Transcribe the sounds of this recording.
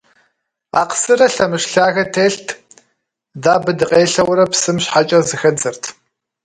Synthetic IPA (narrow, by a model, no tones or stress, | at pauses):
a̰ːqə̥sɨrɐɬɐmɨʃɬaːɣɐtʰeːɬtʰ | daːbɨdɨqʼeːɬɐwɾɐpsɨmɕħat͡ʃʼɐzɨxɐd͡zɐrtʰ